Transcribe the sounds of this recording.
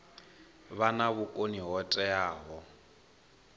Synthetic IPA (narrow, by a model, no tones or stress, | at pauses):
βanaβukʼoniɦɔtʼɛaːɦɔ